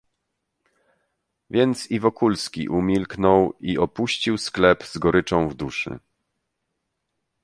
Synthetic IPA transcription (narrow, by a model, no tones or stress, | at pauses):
vʲjɛnt̪sivɔkulskʲḭʔumʲilknɔwiʔɔpuɕt͡ɕiwsklɛpzɡɔɾɘt͡ʂɔ̃w̃vd̪uʂɘ̰